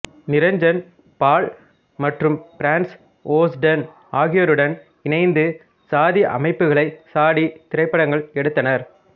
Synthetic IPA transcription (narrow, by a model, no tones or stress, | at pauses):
nɪɾɐɲd͡ʒɐn | paːɭ | mɐʈrɯmpɪɾaːns | oːsɖɐn | aːɣɪjɐɾɯɽɐn | ɪnɐɪnd̪ɯ | saːðiʔɐ̰mɐɪpːɯɣɐɭɐɪsaːɽit̪ɪɾɐɪpːɐɽɐŋɡɐɭɛɽɯt̪ːɐnɐɾ